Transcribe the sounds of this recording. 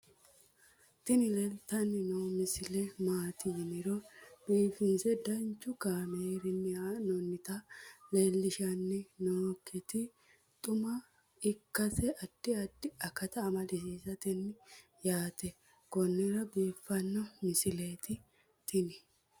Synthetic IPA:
t̪ɪnɪlɛlt̪ɐnːɪnoːmɪsɪlɛmaːt̪ɪnɪɾɔb̥iːfɪnsɛd̪ɐnt͡ʃːʊkaːmeːɾɪnːɪanɔnːɪt̪ɐleːlːɪʃɐnːɪnoːkːɛt̪ɪ | t̪ʼʊmɐ | ɪkːɐsɛʔɐd̪̥ːɪɐd̪ɪɐkːɐt̪ɐːmɐlɪsiːsɐt̪ɪnːɪ | jaːt̪ɛ | ɡɔnːɛɾɐbiːfːɐnːɔmɪsɪleːt̪ɪ | t̪ʰɪnɪ

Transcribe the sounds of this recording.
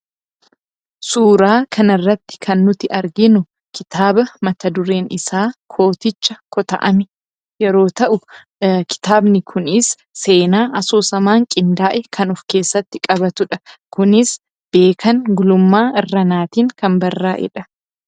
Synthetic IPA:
suːɾaːkʰɐnɪrːɐt̪ːɪ̥kʰɐnːʊt̪ɪʔɐɾɡɪnʊ | kɪt̪aːbɐmɐt̪ɐd̪ʊɾe̞ːnɪsaːkʰo̞ːt̪ɪt͡ʃːɐkɔt̪ɐ̰ʔɐmɪ | jɛɾo̞ːt̪ɐʔʊ | kɪ̥t̪aːbnɪkʰʊnɪsː | e̞ːnaːʔɐsoːsɐmaːŋkʼɪnd̪aːʔɛkʰɐnʊfke̞ːsːɐt̪ːɪkʼɐbɐt̪ʊᶑɐkʊnɪs | b̥e̞ːkʰɐŋɡʊlʊmːaːɪrːɐnaːt̪iːŋkɐmbɐrːaːʔɛ̰ᶑɐ

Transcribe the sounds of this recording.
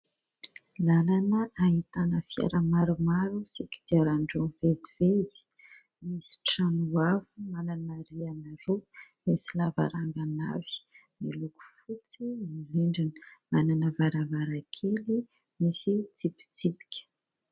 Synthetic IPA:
lalanəʔaɦit̪anəfia̰ɾəmaɾumaɾusiki̥d̪̥iaɾaɳɖ͡ʐonvezivezi̥ | misi̥ʈ͡ʂanuavumananaɾianaɾo | misilava̰ɾaŋɡana̰vi̥ | miluku̥fut͡siiɦiɳɖ͡ʐinəmananəvaɾəvaɾakʰeli | misit͡sipi̥t͡sipi̥kʲə̥

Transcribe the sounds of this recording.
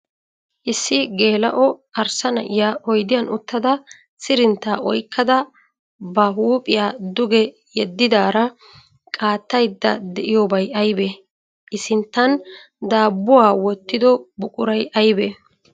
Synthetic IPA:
ʔɪsːɪɡeːlɐʔɔɐɾsɐnɐ̰ʔɪjaːʔɔjd̪ɪjɐnʔʊt̪ːɐd̪ɐ | sɪɾɪnt̪ːaːʔɔjkʰːɐd̪ɐ | bɐɦuːpʼɪjaːd̪ʊɡɛ | jɛd̪ːɪd̪aːɾɐ | kʼaːt̪ːɐjd̪ːɐd̪ɛʔɪjoːbɐjɐjbɛ | ʔɪsɪnt̪ːɐn | d̪aːbːʊwaːwɔt̪ːɪd̪ɔbʊkʼʊɾɐjʔɐjbɛ

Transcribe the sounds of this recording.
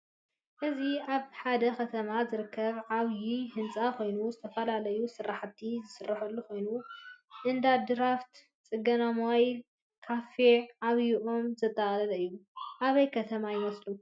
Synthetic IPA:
ʔɨziʔaβħad̪ɐkʰɐt̪ʰɐmazɨɾɨkʰːɐβʕaβjihɨnt͡sʼakʰo̞jnuzɨt̪ʰɐfɐlalɐjusɨrːaħt̪ʰːizɨsɨrːaħulːuko̞jnuʔɨnd̪ad̪ɨɾaft̪ | t͡sʼɨɡɐnamoj | kʰafeʕaβjiʔo̞mzɐt̪ʼːɐχʼlɐlɐɨjːuʔaβɐjkʰɐt̪ʰɐmajɪmɐslu

